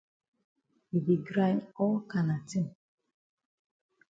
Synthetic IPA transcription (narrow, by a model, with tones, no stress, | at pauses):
i˨bi˨ɡɾã˦nɔ˦lka˨na˨tĩ˦n